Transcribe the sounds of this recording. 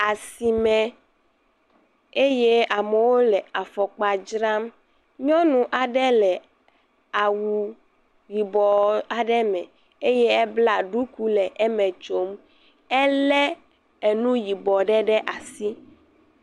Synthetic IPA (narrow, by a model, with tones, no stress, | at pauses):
a˨si˨mɛ̃˨ | e˦je˦a˨mɛ˨wo˦lɛ˨a˨fɔ˨k͡pa˨d͡ʒɾa˦m | ɲɔ̃˦nũ˨ʔa˨ɖɛ˦lɛ˨ | a˨wu˨ | ji˨bɔ˨a˨ɖɛ˦mɛ̰̃˨ | e˦jɛ˦ɛ˦bla˨ɖu˦ku˦lɛ˨ʔɛ˦mɛ̃˨t͡ʃo˦m | ɛ˦lɛ˦ | e˨nũ˦ji˨bɔ˨ɖɛ˦ɖɛ˦ʔa˨si˦